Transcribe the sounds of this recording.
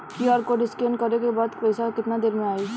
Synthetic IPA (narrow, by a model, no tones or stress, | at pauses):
kiaɾkoɖɪskenkəɾekebaːd̪pəjsakɪt̪nad̪eɾmẽaːe